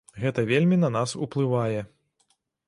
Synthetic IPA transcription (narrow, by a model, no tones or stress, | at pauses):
ɣɛt̪ɐvʲelʲmʲinɐnasṵplˠɨvajɛ